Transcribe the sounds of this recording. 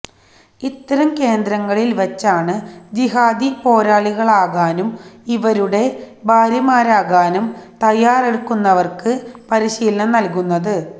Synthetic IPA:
it̪ːɐɾɐmke̞ːnd̪ɾɐŋːɐɭilʋɐt͡ɕːaːɳɨd͡ʑiɦaːd̪ipo̞ːɾaːɭiɣɐɭaːɣaːnumiʋɐɾuɽe̞bʱaːɾjɐmaːɾaːɣaːnumt̪ɐjːaːreɽukːunːɐʋɐrkɨpɐɾiɕiːlɐnɐnɐlkunːɐðɨ

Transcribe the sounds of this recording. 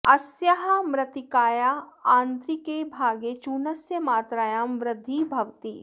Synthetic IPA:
ɐsjɐɦɐmɾɐt̪ikaːjaãːnt̪ɾikebʱaːɡet͡ʃuːnɐsjəmaːt̪ɾaːjaːmʋɾɪd̪ʱːibʱɐʋt̪iː

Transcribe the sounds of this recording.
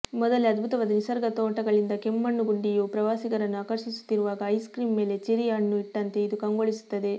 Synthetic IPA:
mɔd̪ɐleɐd̪̚bʱut̪ɐʋaːd̪ɐnisɐɾɡɐt̪oːʈɐɡɐɭind̪ɐkemːɐɳːuɡuɳɖijupɾɐʋaːsiɡɐɾɐnːuaːkɐɾʃisu̥t̪ːiɾuʋaːɡɐːjskɾiːmːe̞ːle̞t͡ʃiɾijaɳːuiʈːɐnt̪e̞id̪ukɐŋɡoɭisu̥t̪ːɐd̪e̞

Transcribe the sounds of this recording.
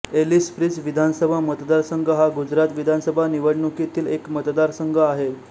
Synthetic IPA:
elispɾid͡zʋid̪ʱansəbʱamət̪d̪aɾsəŋɡʱəɦaɡud͡ʑɾat̪ʋid̪ʱansəbʱaniʋəɽɳukit̪iːlekmət̪d̪aɾsəŋɡʱəaɦe

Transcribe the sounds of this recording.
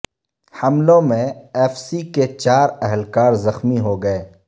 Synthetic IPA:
hɐmlõmẽɛːfsiket͡ʃaːɾɛɦəlkaːɾzɐxmiɦoɡɐeː

